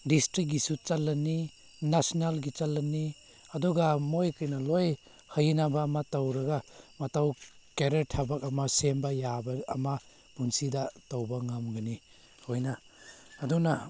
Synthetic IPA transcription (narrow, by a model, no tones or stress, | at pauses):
distɾik̚ɡisut͡ʃalːɐnːi | nasinalɡit͡ʃalːɐnːi | ɐdɔɡamojkɯjnɐloj | hajinabaːmatawɾɐɡamɐtaw | keɾeɾtʰabak̚ɐmasembajaba̰ːma | b̥unsidatawbaŋamɡani | hojnaː | duna